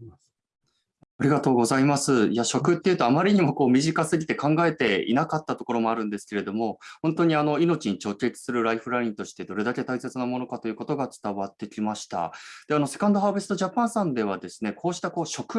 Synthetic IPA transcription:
aɾʲiɡat̪o̞ːɡo̞zaimasɨijaɕo̞kɯ̟t̪ːeɯ̟t̪o̞amaɾʲiɲ̟imo̞ko̞ːmʲiʑikasɨɡʲit̪e̞kãŋɡae̞t̪e̞ḭnakat̪ːat̪o̞koɾo̞mo̞aɾɯ̟̃nd̪e̞sɨ̥ke̞ɾe̞d̪o̞mo̞hõ̞nt̪o̞ɲ̟iano̞ino̞t͡ɕiɲ̟it͡ɕo̞ːkʲe̞t͡sɨ̥sɨɾɯ̟ɾaiɸɯ̟ɾaĩnt̪o̞ɕi̥t̪e̞d̪o̞ɾe̞d̪ake̞t̪aise̞t͡sɨnamo̞no̞kat̪o̞jɯ̟ːko̞t̪o̞ɡat͡sɨ̥t̪aβat̪ːe̞kʲimaɕi̥t̪a̰d̪̥e̞ano̞se̞̥kãnd̪o̞ɦaːbisɨ̥t̪oʑapãɰ̃sãnd̪e̞β̞ad̪e̞sɨ̥ne̞kʰo̞ːɕi̥t̪ako̞ːɕo̞kɯ̟

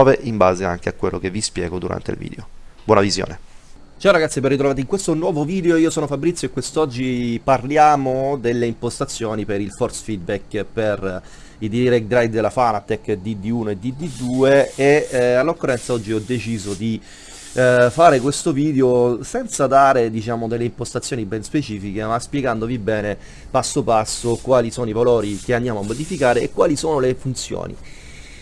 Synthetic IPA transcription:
ɔːveʔimba̰ːzea̰ŋk̟eakːwelːok̟evːispjɛ̰ːɡod̪uɾa̰nt̪ḛlvḭːd̪eob̥wɔːnavizjo̰ːne | d͡ʒaɾaɡat̪sjiperːit̪ɾovaːt̪eiŋkwest̪onwɔːvoviːd̪eoiːosɔːnofabɾit̪sjoekwest̪ɔd͡ʒːiparljaːmod̪elːeimpost̪at̪sːjoːnipeɾilfɔrsfid̪̚bɛkːper | id̪iɾɛkd̪ɾajd̪d̪elafanat̪ɛkːd̪id̪iuːnoed̪ːid̪ːid̪uːeealːokːorːɛnt̪saɔd͡ʒːiɔd̪ːet͡ʃiːzod̪i | faːɾekwest̪oviːd̪eosɛnt̪sad̪aːɾed̪it͡ʃaːmod̪elːeimpost̪at̪sjoːnibɛnspet͡ʃiːfikemaspjɛɡand̪ovibɛːne | pasːopasːokwaːlisoːnoivalɔːɾikeand̪jaːmoamːod̪ifikaːɾeʔːkːwaːlisoːnolefunt̪sjo̰ːnḭ

